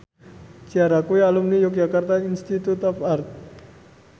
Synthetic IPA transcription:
t͡ʃiaɾakujalumnijɔk̚d͡ʒakart̪ainst̪it̪ut̪ɔfart̪̚

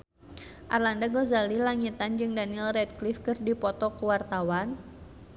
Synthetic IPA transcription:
ʔarlandaɡozalilaŋit̪and͡ʒɨŋdanilrɛd̚klifkɨrdipɔt̪ɔkuwart̪awan

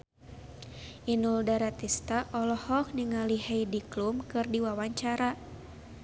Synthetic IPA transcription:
ʔinuldaɾat̪ist̪aʔɔlɔhɔk̚niŋaliheidiklumkɨrdiwawaɲt͡ʃaɾa

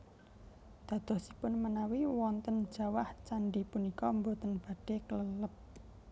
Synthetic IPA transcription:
d̪̥ä̤d̪̥ɔ̤sipʊnmənawiwɔnt̪ənd̥ʒ̥ä̤waht͡ʃaɳɖipunikɔmbot̪ənb̥a̤ɖ̥e̤kələləp̚

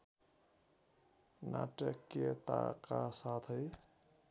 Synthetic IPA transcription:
na̰ʈəkːet̪akasat̪ʰəj

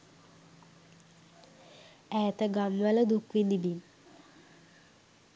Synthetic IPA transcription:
æːt̪əɡamʋələd̪ukʋind̪ibin

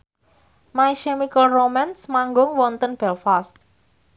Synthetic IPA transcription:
majʃɛmikəlromansmaŋɡʊŋwɔnt̪ənb̥ɛlfast̪̚

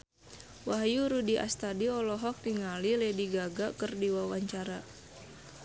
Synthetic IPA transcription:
waɦjuɾudiʔa̰st̪adiɔlɔɦɔk̚niŋalilediɡaɡakərdiwawaɲt͡ʃaɾa

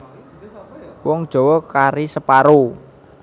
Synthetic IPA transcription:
wɔŋd̥ʒ̥ɔ̤wɔkaɾisəpaɾo

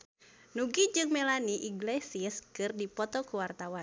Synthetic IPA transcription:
nuɡid͡ʒɨŋmelaniʔiɡlesiəskɨrdipɔt̪ɔkuwart̪awan

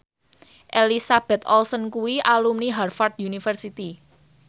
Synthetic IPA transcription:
ʔelisab̥ɛ̤t̪ʰɔlsɔnkuwiʔalumniɦarfart̪̚junifərsit̪i

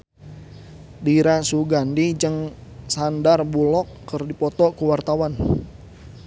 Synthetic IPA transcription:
diɾasuɡandid͡ʒəŋsandarbulɔkːərdipɔt̪ɔkuwart̪awan

